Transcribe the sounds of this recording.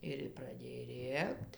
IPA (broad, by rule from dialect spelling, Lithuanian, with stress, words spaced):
ˈɪr prɐˈdʲeːj ˈrʲeːkt